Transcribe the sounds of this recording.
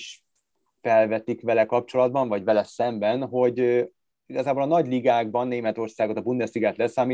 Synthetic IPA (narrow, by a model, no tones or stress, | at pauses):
ʃ | fɛlvɛt̪ikʋɛlɛkɒp̚t͡ʃo̞lɒd̪̚bɒɱvɒɟvɛlɛsɛmbɛnɦo̞ɟ | iɡɒzaːboːlɒnɒɟliɡaːɡ̚bɒnːeːmɛt̪o̞rsaːɡo̞t̪ɒbund̪ɛsiɡɛt̪lɛsːaːmi